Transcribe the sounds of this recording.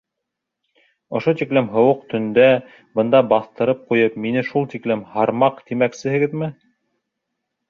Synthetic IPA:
ŏʃot̪iklɘmɦŏwɤqt̪ɵ̆nd̪æ | bɤ̆nd̪ɑbɑθt̪ɤ̆ɾɤp̚qujɤp̚minɘʃulˠt̪iklɘmhɑɾmɑqt̪imæksɘ̆hɘ̆ɡɘðmɘ

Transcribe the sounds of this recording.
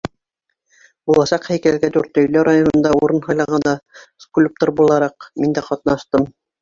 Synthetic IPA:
bulˠɑʃɑqhæjkælɡæd̪ʉɾt̪ɵ̆jlɵɾajonɤ̆nd̪ɑuɾɤnhɑjlˠɑʁɑnd̪ɑsklʲup̚t̪oɾbulˠɑɾɑqmind̪æqɒt̪nɑʃt̪ɤm

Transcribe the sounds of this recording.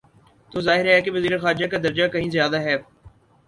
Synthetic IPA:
t̪oːzaːɦɪɾɦɛkeʋɐziːɾexaːɾd͡ʒakad̪ɐɾd͡ʒakɐɦĩzɪjaːd̪aɦɛː

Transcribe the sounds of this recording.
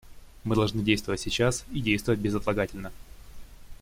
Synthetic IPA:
mɨd̪ɐlˠʐnɨdʲejst̪vəvətʲsʲɪt͡ɕasidʲejst̪vəvət̚ʲbʲɪzət̪lˠɐɡatʲɪlʲnə

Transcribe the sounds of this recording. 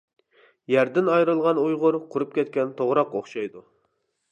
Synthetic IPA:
jæɾd̪ɪnɑjɾɨlˠʁɑnujʁʊɾqʰʊɾup̚kʲɛt̪kʲɛnt̪ʰoʁɾɑqoχʃɑjd̪u

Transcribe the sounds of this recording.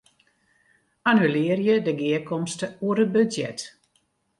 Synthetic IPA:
anylɪərjədəɡɪəkɔmstəuəɾət̚bøzjɛt

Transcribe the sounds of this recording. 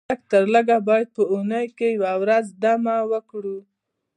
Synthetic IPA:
ək̚t̪əɾləɡabɑjad̪̚pəunəjkejawawɾazd̪amawəkɽu

